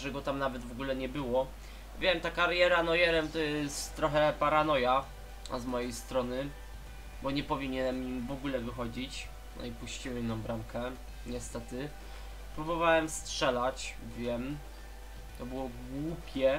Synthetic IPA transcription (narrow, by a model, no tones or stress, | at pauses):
ʐɛɡɔt̪amnavɛd̪vɔɡulɛɲɛbɘwɔ | vʲjɛmt̪akaɾjɛɾanɔjɛɾɛmt̪ɔjɛst̪t̪ːɾɔxɛpaɾanɔja̰ | zmɔjejst̪ɾɔnɘ | bɔɲɛpɔvʲiɲɛnɛmimvɔɡulɛvɨxɔd͡ʑit͡ɕ | nɔ̰ipuɕt͡ɕiwɛmnɔ̃mbɾamkʰɛ | ɲɛst̪ɛt̪ɘ | pɾubɔvawɛmstʂɛlat͡ɕ | vʲjɛm | t̪ɔbɘwɔɡwupʲjɛ